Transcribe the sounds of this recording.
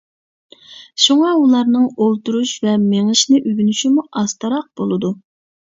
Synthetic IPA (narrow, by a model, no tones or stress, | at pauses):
ʃuŋɑulˠɑɾnɨŋolˠt̪uɾuʃvɛmeŋɪʃnɪʔyɡʲynyʃimuɑst̪ɑɾɑq̚b̥olˠɨd̪u